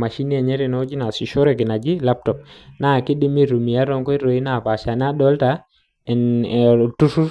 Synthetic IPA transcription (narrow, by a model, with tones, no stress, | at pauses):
ma˨ʃi˦ni˦a˨ɲɛ˦ɾɛ˨nɔ˦d͡ʒi˦na˨si˨ʃɔ˦ɾɛ˨k̬ɪ˨na˨d͡ʒi˦la˦p̚tɔ˨p̚na˦˨kɪ˦di˦mi˦ɾu˨mi˨a˦ɾɔ˦ŋkɔ˦i˦ɾɔ˨i˦na˦˨pa˨ʃa˨n˦a˦dɔ˦lta˨ | ɛ˨n | tu˦su˦